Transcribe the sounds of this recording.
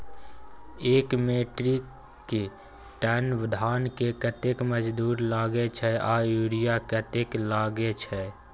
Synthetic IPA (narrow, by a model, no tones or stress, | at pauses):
eːkmeʈɾik | kːe | ʈɛnʋɪd̪ʱaːnkekət̪ekməd͡ʒd̪uːɾlaːɡet͡ʃʰɛajuɾijakət̪eklaːɡet͡ʃʰɛ